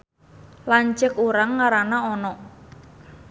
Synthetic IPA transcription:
laɲt͡ʃəkuɾaŋːaɾanaɔnɔ

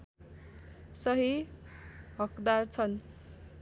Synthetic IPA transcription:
sʌɦi | ɦʌkd̪art͡sʰʌn

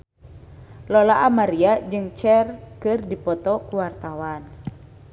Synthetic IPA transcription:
lɔlaʔamaɾiad͡ʒɨŋt͡ʃɛrkɨrdipɔt̪ɔkuwart̪awan

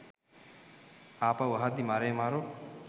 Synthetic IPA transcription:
apawaɦad̪imaɾeːmaɾo

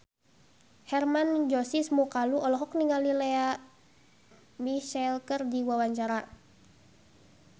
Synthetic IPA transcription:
hɛrmand͡ʒɔsismukaluʔɔlɔɦɔk̚niŋalilɛa | miʃɛlkərdiwawaɲt͡ʃaɾa

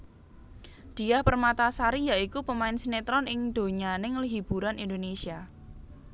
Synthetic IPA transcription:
d̪̥i̤jahpərmat̪asaɾijaikupəmaɪnsinet̪ɾɔnɪŋd̪̥o̤ɲanɪŋəlɦib̥ṳɾanʔind̪onesia

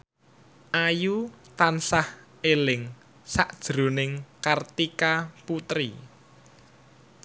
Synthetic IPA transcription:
ʔajut̪ansah | elɪŋ | saʔd̥ʒ̥ɾo̤nɪŋkart̪ikaput̪ɾḭ

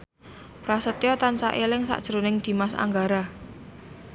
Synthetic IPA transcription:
rasət̪jɔt̪ansa̰ʔelɪŋsa̰ʔd̥ʒ̥əɾonɪŋd̪̥i̤masa̰ŋɡaɾa

